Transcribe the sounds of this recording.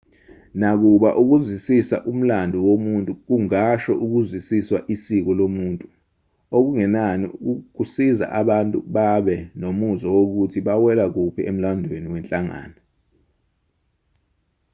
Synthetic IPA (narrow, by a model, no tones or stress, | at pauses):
nak̬uɓaʔuk̬uzwisisa̰ʔum̩landʱuwomuntʼuk̬uŋaʃɔʔuk̬uzwisiswaʔisik̬ɔlomuːntʼu | ok̬uŋɛnanik̬usiza̰ʔaɓantʼṵɓaɓɛnomuzɔwok̬utʰiɓawɛlak̬upʰiem̩landʱweniwɛnt͡ɬʼaŋa̰ːna